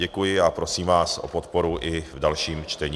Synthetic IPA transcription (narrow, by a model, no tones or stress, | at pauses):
ɛkujɪapɾo̞siːmvaːsʔo̰pot̪po̞ɾuʔɪvdalʃiːmt͡ʃt̪ɛɲ